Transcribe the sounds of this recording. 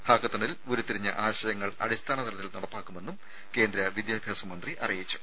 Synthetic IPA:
bʰʱaːɡɐt̪ːɐɳilo̞ɾut̪iɾiɲːɐ̰ʔaːɕɐjɐŋːɐɭɐ̰ɽist̪ʰaːɳɐt̪ʰɐɾɐt̪ːilnɐɽɐpːaːkːume̞nːum | ke̞ːnd̪ɾɐʋid̪jaːbʱjaːsɐmɐnd̪riʔɐ̰rijit͡ɕːu̥

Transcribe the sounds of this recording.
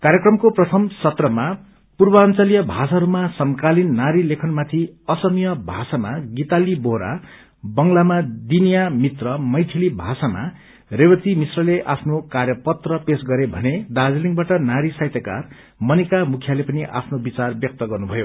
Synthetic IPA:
kaɾjʌkrʌmkoprʌt̪ʰʌmsʌt̪rʌma | purbʌːnt͡sʌlijʌbʱasaɾumasʌŋkalinːaɾilekʰʌnmat̪ʰiʌsʌmijʌbʱasamaɡit̪aliboɦɾa̰ | bʌŋlamad̪inijamit̪rʌmʌjt̪ʰilibʱasama̰ | rewʌt̪imisrʌleʔapʰnokarjʌpʌt̪rʌpesɡʌɾebʱʌned̪ad͡zliŋbaʈʌnaɾisajt̪jʌka̰r | mʌnikamukʰjalepʌniʔa̰pʰnobit͡sarbjʌk̚t̪ʌɡʌrnubʱʌjo

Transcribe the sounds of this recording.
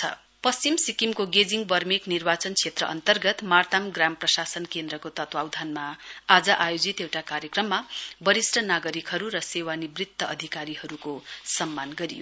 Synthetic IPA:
ʌ̰ | pʌst͡ɕimsikimkoɡed͡ziŋbʌrmeknirbat͡sʌnt͡sʰet̪rʌ̰ʔʌ̰nt̪ʌrɡʌt̪mart̪amɡramprʌsasʌnkend̪rʌkot̪ʌt̪wawd̪ʱanmaad͡zʌʔajod͡zit̪ewʈakaɾjʌkrʌmːabʌɾisrʌnaɡʌɾikɦʌɾuɾʌsewanibrit̪ːʌʌd̪ʱikaɾihʌɾukosʌmːanɡʌɾḭjo̰

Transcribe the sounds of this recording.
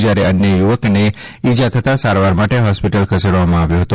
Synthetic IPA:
d͡ʒaɾeənjəjuʋəkneid͡ʒat̪ʰət̪asaɾʋaɾmaʈeɦɔspiʈəlkʰəseɽʋamãaʋjoɦət̪o

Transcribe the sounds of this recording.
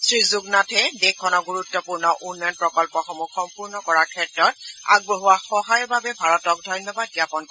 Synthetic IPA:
sɹizuɡnatʰɛdekʰːɔnɔɡuɹutːɔpuɹnɔʔunːɔjɔnpɹɔkɔlpɔxɔmuxɔmpuɹnɔkɔɹaɹkʰɛtɹɔt̚a̰ɡ̚boɦuwaxɔɦajɔɹbabɛbʱaɹɔtɔk̚dʱɔjnjɔbad̚ɡiapɔnk

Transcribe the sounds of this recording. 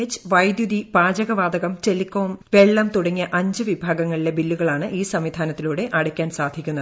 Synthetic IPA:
t͡ɕːɨʋɐjd̪jud̪ibaːd͡ʑɐɣɐʋaːd̪ɐɣɐmt͡ɕelikːoːmʋe̞ɭːɐmt̪uɽɐŋːijɐʔɐɲd͡ʑɨʋibʱaːɡɐŋːɐɭile̞bilːuɣɐɭaːɳɨʔiːsɐmʋid̪ʱaːnɐt̪ːiluːɽe̞ʔɐɽɐkʲːaːnsaːd̪ʱikʲːunːɐðɨ

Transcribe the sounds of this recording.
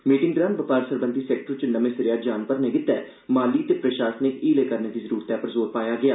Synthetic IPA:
miːʈɪŋɡd̪ɾaːnʋəpaːɾsəɾbənd̪ʱiːsɛːk̚ʈəɾt͡ʃənəmẽːsəɾjaːd͡ʒaːnpəɾnẽːɡɪt̪ːɛː | maːliːt̪eːpɾəʃaːsnekiːleːkəɾneːd̪iːzəɾuːɾt̪jaːpəɾzoːɾpaːjaːɡɪaː

